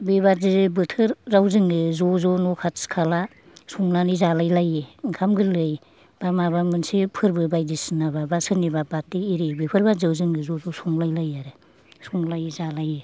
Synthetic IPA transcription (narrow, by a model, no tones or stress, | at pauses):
bebazibɯtʰɯɾːawzɯŋɡɯzɔzɔnɔkʰatskʰala | suŋlanizalajlajeŋkʰamɡɯlɯj | b̥amaβamɯnsipʰɯɾbɯbajdisɯnababasɯnibabat̚ːiːɾibipʰɯɾbazɯwzɯŋɡɯzɔzɔsuŋlajlajaɾɯ | suŋlajzalaje